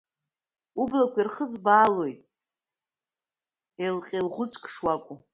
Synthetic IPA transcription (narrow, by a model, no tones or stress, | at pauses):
ublakʷʰirχəzbaːloj | elqʲʼelʁʷʊt͡sʼkʰʼʂwakʷʼʊ